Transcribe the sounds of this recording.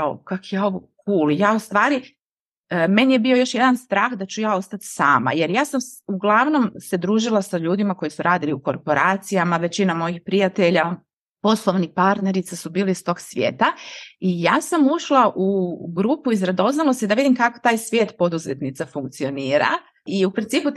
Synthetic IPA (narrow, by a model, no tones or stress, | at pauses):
ao̰kakjo̞ʋokuːlijaːust̪ʋaːɾi | me̞nije̞bio̞jo̞ʃje̞d̪anst̪ɾaːxd̪at͡ɕujaːo̞st̪at̪saːma̰je̞ɾjaːsamuɡlˠaʋno̞mse̞d̪ɾuːʒilˠasaʎuːd̪imako̞jisuɾaːd̪iliuko̞ɾpo̞ɾaːt̪sijamaʋe̞t͡ɕinamo̞jixpɾijat̪e̞ʎa | po̞slˠoʋnipaɾt̪ne̞ɾit̪sasubiːliist̪o̞ːɡsʋjḛːt̪aijaːsamuʃlˠaʔuɡɾuːpuizɾad̪o̞znalˠosid̪aʋid̪imkakot̪aːjsʋje̞ːt̪po̞d̪uzḛt̪nit̪safuŋk̚t̪sio̞niːɾa̰ | iupɾint̪iːpu